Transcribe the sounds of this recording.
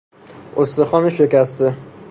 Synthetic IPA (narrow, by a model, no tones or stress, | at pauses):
ost̪exɒːmeʃekæst̪e